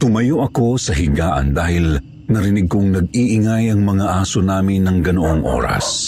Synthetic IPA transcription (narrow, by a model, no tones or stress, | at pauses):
t̪ʊmɐjoʔɐko̞sɐɦɪɡaːʔɐ̰nd̪aːhɪl | nɐɾɪnɪɡ̚koŋnɐɡ̚iʔɪŋajɐŋmɐŋaʔaːsonaːmɪnːɐŋɡɐnoʔoŋʔo̰ːɾɐ̰s